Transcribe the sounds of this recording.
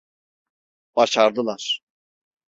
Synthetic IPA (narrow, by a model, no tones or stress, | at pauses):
b̥aʃaɾd̪ɯlˠaɾ̥